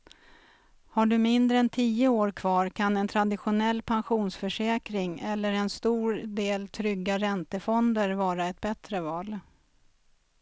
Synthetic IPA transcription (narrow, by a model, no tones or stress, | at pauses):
haɖɵmɪnd̪ɾəɛnt̪ʰiːəoːɾkʰvɑːɾkʰanɛnt̪ʰɾad̪ɪɧʊnɛlːpʰanɧuːnsfœʂɛːkɾɪŋɛlːəɾɛnst̪uːɾd̪eːlt̪ʰɾʏɡːaɾɛnt̪əfɔnd̪əɾvɑːɾaɛt̪̚bɛt̪ɾəvɑːl